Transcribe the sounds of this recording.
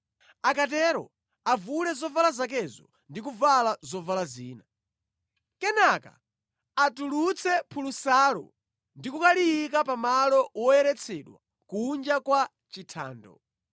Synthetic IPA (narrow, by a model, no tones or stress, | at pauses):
akatɛɾɔ̰ | avulɛzɔvalazak̬ɛzɔ | ndikuvalazɔvalaziːna | kɛnaka̰ | atulut͡sʰɛpʰulusaːlɔ̰ | ndikukaliikapamalɔwɔɛɾɛt͡sʰɛɗwa̰ | kuːnd͡ʒakwa | t͡ʃitʰa̰ːndɔ̰